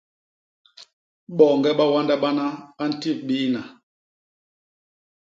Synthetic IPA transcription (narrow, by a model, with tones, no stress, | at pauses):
ɓɔ˨ŋɡɛ˦ɓa˦wa˦nda˦ɓa˦na˦a˦n̩˨ti˦˨f̚ɓiː˦na˨